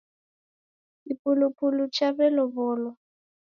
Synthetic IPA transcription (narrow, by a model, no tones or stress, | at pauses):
ipʼulupʰulut͡ʃʰaβɛlɔβɔːlɔ